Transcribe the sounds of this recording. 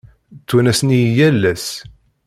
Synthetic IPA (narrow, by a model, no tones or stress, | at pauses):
t͡s̪ːunæsnijjælːæs